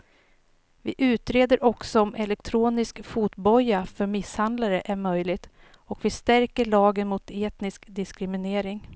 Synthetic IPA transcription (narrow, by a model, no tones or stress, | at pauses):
vɪʔʉ̟ːt̪ɾeːd̪əɾʔɔksɔɔmʔɛlɛk̚t̪ʰɾuːnɪskfuːt̪bɔjːafœɾmɪshand̪laɾəʔæɾmœjlɪɡt̪ | ɔkvɪst̪æɾkəɭɑːɡənmʊt̪ʰeːt̪nɪskd̪ɪskɾɪmɪneːɾɪŋ